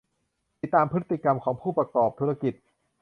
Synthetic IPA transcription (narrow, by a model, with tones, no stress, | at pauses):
i˨˩t̪aː˧mpʰɯ˦˥t̪ːi˨ka˧mkʰɔː˩˦ŋpʰuː˥˩pɾa˧kɔː˨˩p̚t̪ʰuː˧˦˥ɾa˧ki˨˩t̪̚